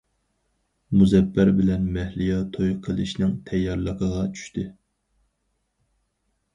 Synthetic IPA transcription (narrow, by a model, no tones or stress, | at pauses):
muzɛpːæɾbɪlɛnmɛhlijɑt̪ʰojqʰəlˠɨ̰ʃnɪŋt̪ʰɛjːɑɾlˠəqʰəʁɑt͡ʃʰy̥ʃt̪ɨ